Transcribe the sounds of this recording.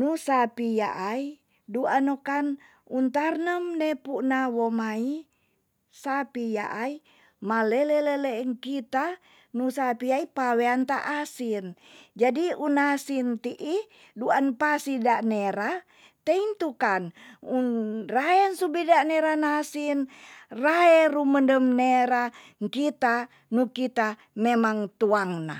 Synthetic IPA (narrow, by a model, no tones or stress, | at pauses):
nusapija̰ʔai | duanokan | unt̪arnəmnɛpuʔnawomai | sapija̰ʔai | malɛlɛlɛlɛŋkit̪a | nusapiaipaweant̪aʔasind͡ʒadiunasint̪iʔi | duanpasidaʔneɾa | t̪eint̪ukanunraɛnsubidanɛɾanasinraɛruməndəmneɾaŋkit̪a | nukit̪a | memaŋt̪uaŋna̰